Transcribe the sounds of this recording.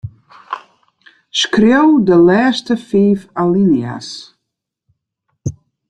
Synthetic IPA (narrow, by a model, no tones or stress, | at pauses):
skrewdəlɛːstəfiːfalinia̰s